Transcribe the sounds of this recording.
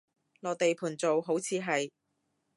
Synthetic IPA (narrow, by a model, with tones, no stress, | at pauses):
lɔː˨t̪e˨jpʰuː˨˩nt͡so˨wɦo˨˥wt͡sʰiː˨˧ɦɐ˨j